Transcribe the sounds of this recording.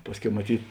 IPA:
ˈpɑːsʲˌkʲɛʊ mɐˈtʲiːt

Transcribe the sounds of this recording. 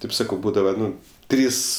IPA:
ˈtɐɪp ˈsɑːkɐʊ ˈbuːdɐʋɐ ˈnʊ ˈtʲrʲiːs

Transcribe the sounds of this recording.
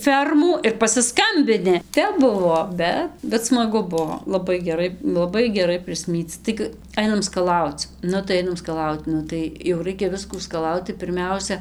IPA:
ˈfʲɛrmuː ɪr pɐsʲɪˈskɐmʲbʲɪnʲɪ ˈtʲɛp ˈbʊʋoː ˈbʲɛt bʲɛt smɐˈɡʊ ˈbuɔ lˠɐˈbɐɪ ɡʲɛˈrɐɪ lˠɐˈbɐɪ ɡʲɛˈrɐɪ pʲrʲɪsʲˈmʲiːt͡s ˈtɐɪɡɨ ˈɐɪnɐm skɐˈlˠɐʊt͡s ˈnʊ tɐɪ ˈɐɪnɐm skɐˈlˠɐʊt ˈnʊ tɐɪ jɛʊ ˈrɐɪkʲɛ ˈʋʲɪskuː skɐˈlˠɐʊt tɐɪ pʲɪrʲˈmʲɛʊsʲɛ

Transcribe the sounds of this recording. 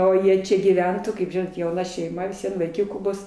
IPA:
oː ˈjiɛ ˈt͡ʃʲɛ ɡʲiːˈʋʲɛntʊ kɐɪp ˈʒʲɪnoːt jɛʊˈnɐ ʃʲɛɪˈmɐ ʋʲɪs ˈʋʲiɛn ʋɐɪˈkʲʊkuː ˈbʊs

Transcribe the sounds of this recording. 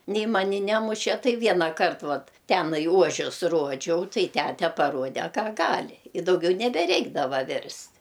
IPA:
ˈnʲɛɪ ˈmɑːnʲɪ ˈnʲæːmʊʃʲɛ ˈtɐɪ ˈʋʲiɛnɑːkɐrt ˈʋɐt ˈtʲæːnɐɪ ˈuɔʒʲʊs ˈruɔd͡ʒʲɛʊ ˈtɐɪ ˈtʲætʲɛ pɐˈruɔdʲɛ ˈkɐ ˈɡɑːlʲɪ ɪ dɐʊˈɡʲɛʊ nʲɛbʲɛˈrʲɛɪɡdɐʋɐ ˈʋʲɪrʲsʲtʲ

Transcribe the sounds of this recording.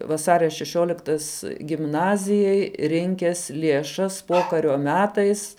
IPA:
ʋɐˈsɑːrʲɛ ʃʲɛˈʃʲuɔlʲɪktɐs ɡʲɪmˈnɑːzʲɪjɛɪ ˈrʲɪŋʲkʲɛs lʲiɛˈʃɐs ˈpoːkɐrʲoː ˈmʲæːtɐɪs

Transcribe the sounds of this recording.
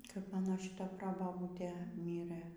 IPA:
kɐp ˈmɑːnoː ʃʲɪˈtɐ ˈproːbɐbuːtʲeː ˈmʲiːrɘ

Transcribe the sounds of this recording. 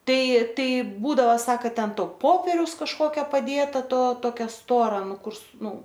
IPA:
ˈtɐɪ ˈtɐɪ ˈbuːdɐʋɐ ˈsɑːkɐ ˈtʲɛn ˈtoː ˈpoːpʲɛrʲɛʊs kɐʃˈkoːkʲoː pɐˈdʲeːtɐ ˈtoː toːˈkʲɛ ˈstoːrɐ ˈnʊ ˈkʊr sʊ ˈnʊ

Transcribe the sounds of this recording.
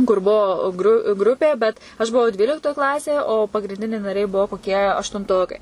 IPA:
kʊr ˈbuɔ ɡrʊ ˈɡrʊpʲeː bʲɛt ɐʃ bʊˈʋɐʊ ˈdʲʋʲiːlʲɪktoːj ˈklˠɑːsʲeːj oː pɐɡrʲɪnʲˈdʲɪnʲɛɪ nɐˈrʲɛɪ ˈbʊʋoː koːˈkʲiɛ ɐʃtʊnˈtoːkɐɪ

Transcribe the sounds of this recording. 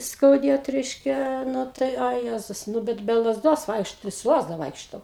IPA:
skɐʊˈdʲeːt ˈrʲɛɪʃʲkʲɛ ˈnʊ ˈtɐɪ ɐ ˈjæːzʊs nʊ ˈbʲɛt bʲɛ lˠɐzˈdoːs ˈʋɐɪkʃtoː sʊ ˈlˠɑːzdɐ ˈʋɐɪkʃtoː

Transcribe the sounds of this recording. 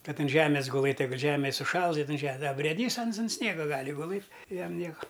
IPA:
ˈkɐt ɐn ˈʒʲæːmʲeːs ɡʊˈlˠɘtʲ ˈjɛɪɡʊt ˈʒʲæːmʲɪ sʊˈʃɐlˠs ɪˈnɐɪ ˈʒʲɛ ɐ bʲrʲeːˈdʲiːs ˈɐns ʊn ˈsʲnʲiɛɡɐ ˈɡɑːlʲɪ ɡʊˈlˠɘtʲ ɪ ˈjɛm ˈnʲiɛkɐ

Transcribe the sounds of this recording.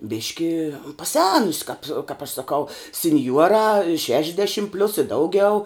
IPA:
ˈbʲɪʃʲkʲɪ pɐˈsʲæːnʊsʲɪ kɐpʲ kɐp ɐʃ sɐˈkɐʊ sʲɪnʲˈjuɔrɑː ˈʃʲæːʃʲɪʒʲdʲɛʃʲɪm pʲlʲʊs ɪ ˈdɐʊɡʲɛʊ

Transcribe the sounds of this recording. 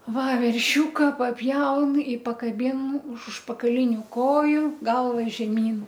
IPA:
ˈʋɐ ʋʲɛrʲˈʃʲuːkɐ pɐˈpʲjɛʊn ɪ pɐkɐˈbʲɪn ʊʃ ʊʃpɐkɐˈlʲɪnʲʊ ˈkoːjʊ ˈɡɐlˠʋɐ ʒʲɛˈmʲiːn

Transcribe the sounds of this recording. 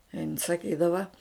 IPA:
ɪn sɐˈkʲiːdɐʋɐ

